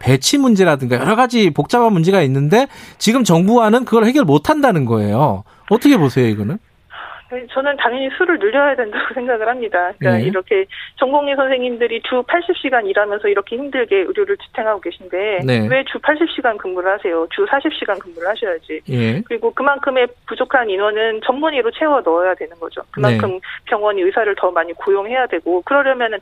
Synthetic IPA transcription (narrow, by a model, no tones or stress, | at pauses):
pet͡ɕʰimund͡ʑe̞ɾadɯŋɡajʌɾʌɡad͡ʑipok̚t͡ɕ͈abanmund͡ʑeɡainːɯnde̞t͡ɕiɡɯmt͡ɕʌŋbuɦanɯnkɯɡʌɭhe̞ɡjʌɭmotʰandanɯnɡʌe̞̰jo̰ | ʌtʰʌkʰe̞posʰe̞joiɡʌnɯn | anet͡ɕʌnɯntaŋjʌɲisʰuɾɯɭnɯʎːʌɦajadwe̞ndaɡosʰeŋɡaɡɯɭhamɲidakaiɾʌkʰe̞t͡ɕʌŋɡoŋisʰʌnsʰe̞ŋimdɯɾit͡ɕupʰaɭɕ͈ip̚ɕ͈iɡaɲiɾamjʌnsʰʌiɾʌkʰe̞himdɯɭɡe̞ɯɾjoɾɯɭt͡ɕʰi̥tʰeŋɦaɡoɡe̞ɕʰinde̞newe̞t͡ɕupʰaɭɕ͈ip̚ɕ͈iɡankɯmːuɾɯɭhasʰe̞jot͡ɕusʰaɕʰip̚ɕ͈iɡankɯmːuɾɯɭhaɕʰʌjad͡ʑijekɯɾiɡokɯmankʰɯme̞pud͡ʑokʰaninwʌnɯnt͡ɕʌmːuɲiɾot͡ɕʰe̞ʌnʌjadwe̞nɯnɡʌd͡ʑo̰kɯmankʰɯmpʰjʌŋwʌɲiɯsʰaɾɯɭtʌmaɲikojoŋɦe̞jadwe̞ɡokɯɾʌɾjʌmjʌnɯn